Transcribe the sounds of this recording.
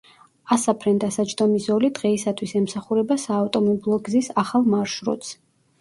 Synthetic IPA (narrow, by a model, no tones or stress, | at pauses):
asapʰɾɛnd̪asat͡ʃd̪ɔmizɔlid̪ʁɛisat̪ʰwisɛmsaχuɾɛbasaːft̪ʼɔmɔbilˠɔɡzisaχalˠmaɾʃɾɔ̰t̪s